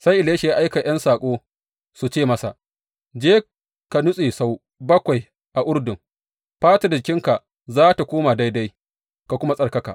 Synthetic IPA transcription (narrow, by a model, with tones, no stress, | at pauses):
sa˦jʔɪ˨leː˦ʃi˨ja˦ʔa˦jka˨j̰ɐ˦nsaː˨kʷʼoː˦ | su˨t͡ʃeː˦˨mɐ˦sa̰˨ʔ | d͡ʒeː˦ | ka˨nʊ˦sʼeː˨sa˦w | bɐ˦kʷa˨j | ʔa˨ʔʊ˦ɽdʊ˨m | ɸaː˦ta˨da˨ɪ˨kʲɪ˦ŋka˨ | zaː˦ta˨kʷoː˦ma˨da˦jda˦j | ka˨kʷʊ˦ma˦sʼɐ˨rkɐ˦ka̰˨